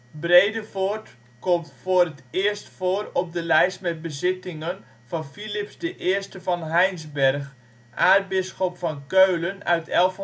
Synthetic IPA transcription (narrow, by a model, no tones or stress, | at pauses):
brejdəvort | kɔmtfoːrətɪərstfoːrɔp̚dəlɛjstmɛt̚bəzɪtɪŋən | v̥ɑnfilɪpsdəʔɪːərstəvɑnɦɛjnzbɛrx | ʔaːrd̚bɪsxɔpfɑnkøɥlənœ̰ɥtʰɛlˠf